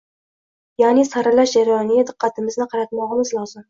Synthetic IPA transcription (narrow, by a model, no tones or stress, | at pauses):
janɪsaɾalaʃd͡ʒaɾajɒnɪɡʲad̪ɨqʰːɑt̪ʰɪmɪznɪqʰɑɾat̪mɒʁɨmɪzlˠɒzɪm